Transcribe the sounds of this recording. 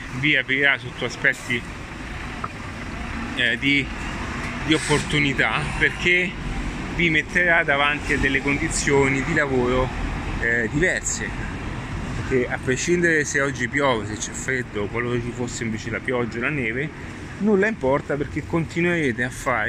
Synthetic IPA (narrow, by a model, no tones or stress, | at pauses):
viapɾiɾasot̪ːoaspɛt̪ːi | d̪i | d̪iopːort̪unit̪aperk̟e | vimet̪ːeɾad̪avant̪iad̪ːelːekond̪it̪sːjoːnid̪ilavoːɾo | d̪ivɛrse | perk̟ːeapːɾeʃind̪eɾeseɔd͡ʒːipjɔːveset͡ʃːɛfːɾed̪ːokwaloɾot͡ʃifosːeiɱveːt͡ʃelapjɔd͡ʒːaolaneːve | nulːaimpɔrt̪aperk̟ekːont̪inweɾeːt̪eafːaːɾe